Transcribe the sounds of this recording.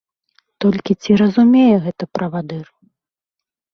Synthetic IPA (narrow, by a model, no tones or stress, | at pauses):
t̪ɔlʲkʲit͡sʲiɾɐzumʲejɛɣɛt̪ɐpɾɐvad̪ɨr